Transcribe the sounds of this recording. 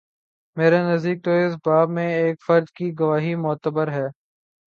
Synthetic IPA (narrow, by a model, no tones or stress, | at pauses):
meːɾanɐzd̪iːk̚t̪oɪs̬baːbmẽeːkfəɾd̪kiɡɐʋaːɦimʊːt̪əbəɾɦɛː